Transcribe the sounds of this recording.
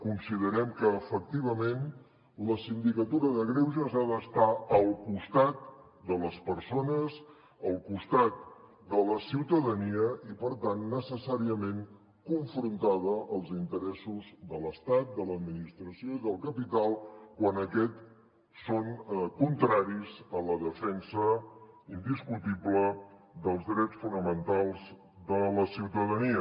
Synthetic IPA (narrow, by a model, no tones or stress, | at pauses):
kunsiðəɾɛmkəːfək̚t̪iβ̞əmen | ləsind̪ikət̪uɾəðəɣɾewzəzaðəst̪aəlˠkust̪at̪ | d̪ələspəɾsonəz | əlˠkust̪at̪̚ | d̪ələsiwt̪əðəniəʔipəɾt̪anːəsəsaɾiəmen | kuɱfɾunt̪aðəʔəlˠzint̪əɾɛsuzðələst̪at̪̚d̪ələd̪minist̪ɾəsioiðəlˠkəpit̪alˠkwanəkɛt̪ | sonkunt̪ɾaɾizələðəfɛnsəind̪iskut̪iblə | ðəlˠzðɾɛt͡sfunəmənt̪alˠz | d̪ələsiwt̪əðəniə